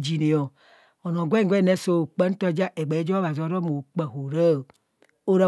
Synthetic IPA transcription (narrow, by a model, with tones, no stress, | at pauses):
d͡ʒi˨ne˨jɔ˨ | ɔ˨nɔ̃˨ɡʷe˦ŋ˦ɡʷe˦˨nɛ˦so˦˨k͡pɛ˦n̩˦t̪ɔ˦d͡ʒa˦ʔe˨ɡ͡be˨˦d͡ʒɔ˦a˨zɔ˨˦ɾɔ˦mo˨k͡pɛ˨ɦo˨ɾe˦˨ | o˦ɾa˦˨